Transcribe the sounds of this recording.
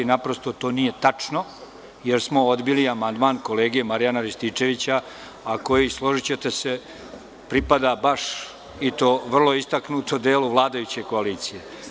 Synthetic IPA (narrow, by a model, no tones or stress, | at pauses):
inapɾo̞st̪ot̪o̞ːnije̞t̪at͡ʂno̞ | je̞ɾsmo̞od̪biliamand̪maːnko̞le̞ːɡije̞maɾijanaɾist̪it͡ʂe̞ʋit͡ɕaː | ko̞jislˠo̞ʒit͡ɕe̞t̪e̞se̞ | pɾipad̪abaʂ | it̪o̞ːʋr̩lˠo̞ist̪aknut̪od̪e̞ːluʋlˠaːd̪ajut͡ɕe̞ko̞aliːt̪sije̞